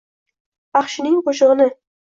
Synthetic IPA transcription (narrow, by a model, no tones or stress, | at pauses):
ɑχʃɪnɪŋqʰoʃɨʁɨnɪ